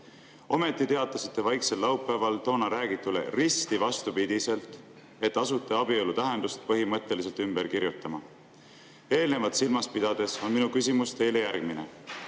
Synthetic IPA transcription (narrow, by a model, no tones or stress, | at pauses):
o̞me̞t̪ːˑit̪e̞ɑt̪ːˑɑsit̪ːˑe̞vɑjkse̞lːɑwpːˑæːvɑlt̪o̞ːnɑɾæːɡit̪ːˑule̞̰rist̪ivɑst̪upid̪̥ise̞lt̪ˑ | e̞t̪ːɑsut̪ːˑeɑbielut̪æɦe̞nd̪ust̪̚pɤɦimɤt̪ːˑe̞lis̬e̞lt̪ymbe̞ɾkiɾjut̪ˑːɑmɑ | e̞ːlne̞vɑt̪silmɑspid̪̥ɑd̪̥e̞so̞nminukysimust̪e̞jle̞jærɡ̥mine̞